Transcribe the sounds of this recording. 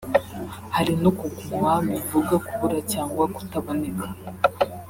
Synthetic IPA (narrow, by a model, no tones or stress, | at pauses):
haɾinokuɡwambivuɡakuβuɾacaːŋɡwaku̥taβo̞ne̞kḁ